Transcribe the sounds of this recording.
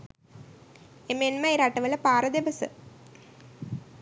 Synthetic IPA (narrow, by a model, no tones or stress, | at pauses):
emenmɐiɾaʈːɐʋɐlɐpaːɾɐd̪eʋɐsɨ